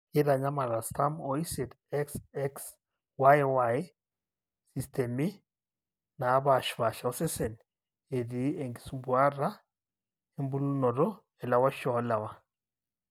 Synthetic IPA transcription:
i˦ɾa˨ɲa˦ma˨ɾa˨sta˦mɔ˨i˦sɛ˨d | ɛ˦ksɛ˦ks | wa˦jwa˨j | si˨stɛ˨mi˦ | na˨˦βa˨ʃβa˨ʃa˨ɔ˦sɛ˦sɛ˨n | e˨di˨˦e˨ŋɡi˨su˦mbwa˦ɾa˦ | e˦mbu˦lu˦nɔ˨ɾɔ˦ | ɛ˨la˨wa˦ʃɔ˨˦la˨wa˨

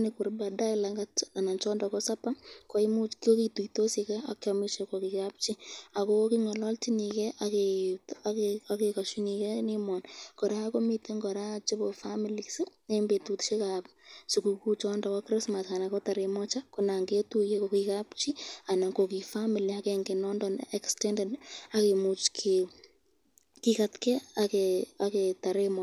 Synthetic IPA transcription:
nɪ˨kʊ˨ɾba˨da˦ɪla˨ŋɡaa˨na˨nt͡ʃɔ˦nda˨kɔ˦sa˦pa˦kɔ˦i˦mu˦ko˦ki˨tu˨ito˦si˨kɛ˦a˨kɔ˦mi˦ʃe˨ko˨ki˨ka˦p̚t͡ʃi˦a˨ko˦ki˦ŋɔ˨lɔ˦lti˦ni˨kɛ˦ʔa˨ke˨taa˦ke˨ka˨ʃu˦ni˨kɛ˦ni˦mɔ˨nkɔ˨ɾa˦ko˦mi˦te˦ŋɡɔ˨ɾa˦˨t͡ʃe˦bo˨fa˦mi˨li˨ksɪ˦e˦mbe˨tutʃe˦ka˨psuku˨ku˦t͡ʃɔnda˨kɔ˦kɾɪ˦sma˨sa˨na˨kɔ˦ta˨ɾemɔ˦t͡ʃa˦kona˨ŋɡe˦tu˦je˦kokikapʃi˦a˨na˨ko˨ki˨fami˨liakɛŋɡe˨nɔ˦ndɔnɛ˨kstɛndɛ˨da˦ke˨mu˨t͡ʃkʰe | ki˦katkɛ˦akeaketa˨ɾe˦mɔ

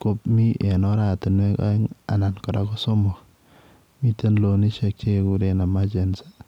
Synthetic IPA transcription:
ko˨p̚mi˦ʔe˨nɔ˦ɾa˦˨tɪ˨nwe˦ka̰˦ŋa̰˨na˨nkɔ˨ɾa˦kɔ˦so˦mo˨k | mi˦te˦nlo˨ni˦ʃɛ˨k̚t͡ʃe˦ku˨ɾe˨na˨ma˦t͡ʃe˨nsḁ˦

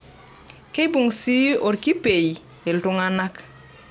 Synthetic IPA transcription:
ke˦bu˨ŋsi˦o˨ɾki˦pe˨j | e˨ltu˦ŋa˦na˦k

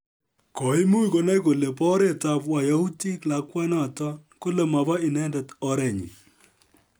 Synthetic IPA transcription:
kɔ˨ɪ˦mu˦i˦ko˨ne˦ko˨le˨pɔ˦ɾe˦˨ta˨pwa˨ja˨u˦ti˦kla˨kwɛ˦nɔ˦a˨tɔ˦ko˦le˨ma˨va˦i˨nɛ˦ndɛ˨tɔ˨˦ɾɛ˨ɲḭ˨

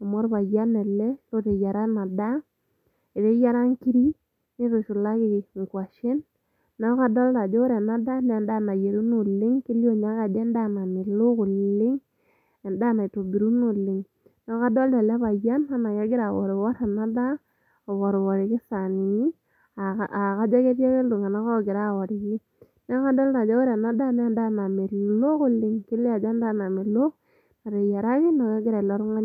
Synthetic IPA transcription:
a˨mɔ˦ɾba˨ja˦nɛ˨lɛ˦lo˦te˨ja˨ɾa˦na˨da˦ | e˨te˦ja˦ɾa˦ŋki˦ɾi˦ | ni˦to˨ʃu˨la˦ki˦˨ŋ˨kwa˨ʃɪ˦nː | ɔ˦ka˦dɔ˦lta˨d͡ʒo˦ɾe˨na˦da˦nɛ˨da˦˨na˨je˨ɾu˦nu˨lɪ˦ŋki˦lo˦ɲa˦ka˨d͡ʒɛ˦n˦da˦na˨ni˨lu˦ku˨llɪ˦ŋ | e˨nda˦˨na˨i˨to˨bi˨ɾu˦nu˨lɪ˨ŋ | nɔ˦ka˦dɔ˦ldɛ˨lɛ˦βa˨ja˦nka˦na˨kɛ˦ɡɪ˦ɾa˨wɔ̰˨ɾi˨wɔ˦ɾa˨na˦da˦ | a˨wɔ˨ɾwɔ˨ɾi˨ki˦sa˨ni˨i˦˨ | a˨ka˦d͡ʒa˦kɛ˦ɾjɛ˦kɛ˦lʊ˨ŋa˨na˨kɔ˦˨ɡɪ˨ɾa˦˨wɔ˨ɾɪ˨ki˦ | nɛ˦ka˦dɔ˦lna˨d͡ʒa˦wɔ˦ɾa˨na˦da˦nɛ˦˨nda˦na˨mi˨lo˦kʊ˦lɪ˦ŋki˦lɪ˦a˨d͡ʒɛ˦nda˦na˨mi˨lʊ˦k̚ | na˨ɾe˨ja˨ɾa˦kɪ˦nɔ˨kɛ˦ɡɪ˦ɾa˨lɔ˦ɾŋa˦

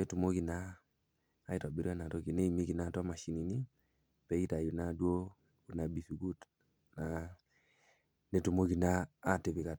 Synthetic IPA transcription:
e˦tu˨mo˦ki˨naː˦ | i˦ta˨bi˨ɾi˦a˦na˨tɔ˦ki˨ne˦i˨mi˦ki˨na˨˦˨tɔ˦ma˨ʃi˨˦ni˨ni˦ | pɛ˨˦i˦ta˨ju˨na˦du˦o˦ | u˨na˨bi˨su˨ɡu˦t | na˨ | ne˨tu˨mo˦ɡi˨naː˦˨te˨βi˨ka˨

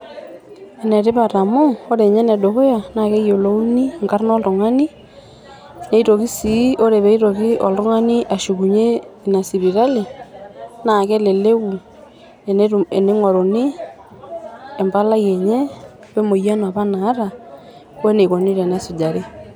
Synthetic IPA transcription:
ɛ˨nɛ˨ɾe˦βa˨ɾa˨mo˦o˦ɾe˨ɲɛ˦nɛ˨do˨ko˦ja˨na˨kɛ˦jo˨lo˦u˦ni˦ŋka˦ɾnɔ˦lo˨ŋa˦ni˦ | ne˨i˦ɾo˨ki˦si˨˦o˦ɾe˨βɛ˦i˦ɾo˨ki˦ɔ˨lo˦ŋa˦ni˦ʔa˨ʃu˨ɣu˨ɲe˦˨na˨si˨βi˨ɾa˦li˨ | na˨kɛ˦le˨le˦wu˨ | ne˨ne˦ŋɔ˨ɾo˨ni˦ | e˨mba˦la˦jɛ˨ɲɛ˦ | βe˦mo˨ja˦n˨a˨βa˦naː˨˦ɾa˨ | wɛ˦ne˨ko˨ni˦ɾɛ˨nɛ˨˦su˨d͡ʒa˨ɾe˦

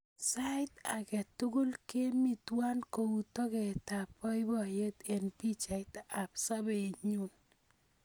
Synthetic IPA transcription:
saɪt̪a̰˨kɛ˨tu˦ɡu˦lke˦mi˨twa˦nkoutɔ˦kɛ˨tapɔ˦jbɔjet̪ɛnpi˦t͡ʃa˨it̪a˨psa˦be˨ɲu˦n

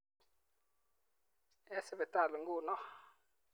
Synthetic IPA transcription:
ɛ˦sbe˨ta˦˨lə˨ŋɡu˦˨nɔ˦

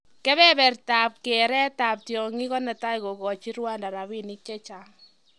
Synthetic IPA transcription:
kɛ˦βɛ˦bɛ˨rta˨p̚kɛ˨ɾɛ˦ta˨p̚tjɔ˨ŋi˦kɔ˦na˨ta˦i˨ko˨kɔ˨t͡ʃi˦ɾwa˦nda˨ɾa˨βi˦ni˦k̚t͡ʃɛ˦t͡ʃa˦ŋ

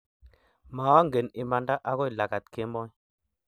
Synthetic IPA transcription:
ma˨wa˦ŋɡe˨ni˨ma˨nda˦ʔa˦kɔ˦i˨la˨ka˨t̪̚ke˦mɔ˦

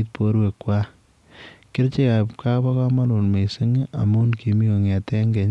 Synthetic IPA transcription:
t̚po˦ɾwe˨kːwa | kɪ˦ɾt͡ʃe˦ka˨pka˦ba˦ka˦ma˦lu˨nme˨sɪ˦ŋa̰˨mu˦nki˨mi˦ko˨ŋɛ˨tɛ˦ŋɡɛ˨ɲ

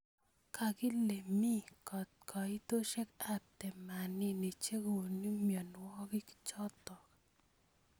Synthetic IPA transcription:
kʰa˨kɪ˦le˨mi˦kɔ˨t̪̚kʰɔ˨i˦t̪o˦ʃe˦ka˦p̚t̪ɛ˨ma˨ni˦ne˨t͡ʃe˦ko˨ni˦mjɔ˨nwɔ˦kɪ˦ki̥˦t͡ʃɔ˦t̪ɔ˨k

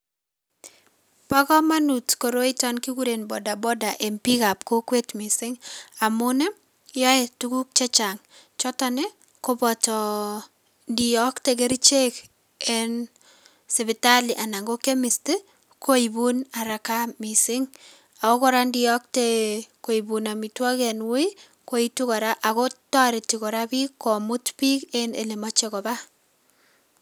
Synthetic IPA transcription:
pa˦kɔ˦ma˦nutko˨ɾo˦i˦tɔ˦nki˦ku˦ɾe˨nbɔ˨da˨bɔ˦da˨ʔe˨mpi˦ka˨pko˦kwe˦tmi˨sɪ˦ŋa˨mʊnɛ˦ | jɔ˦ɛ˨tu˦ku˦k̚t͡ʃɛ˦t͡ʃa˨ŋ | t͡ʃɔ˦tɔ˦nɪ˦ | ko˦bɔ˨tɔ˨ | ndi˨jɔ˦kte˦ɡ̬e˦ɾi˦t͡ʃe˦k | e˦n | se˨βɪtaliʔa˨na˨ŋɡo˦ke˦misti | kʰo˦ibunaɾa˨kamisɪŋ | ako˦kɔɾandijɔ˦k̚teko˨ibuna˨mitwɔ˦kɛnwi | ko˦itu˦kɔ˨ɾaʔa˨kotɔ˦ɾitikɔɾapikːo˨mu˦tpi˦kenḛlemɔt͡ʃekɔba

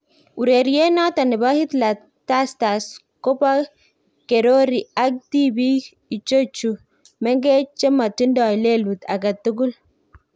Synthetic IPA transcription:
u˨ɾe˨ɾje˦nɔ˦ta˨nɪ˨ba˦hi˦t̪la˨ | ta˦sta˨s | ko˦pa˦ | ke˨ɾo˦ɾi˨a˦k̚di˦bi˦ | i˨t͡ʃo˦t͡ʃu˨ | mɛ˦ŋɡe˦t͡ʃe˦ma˨ti˦ndɔ˨le˦lu˨ta̰˨ɡa˨tːu˦ɡu˦l

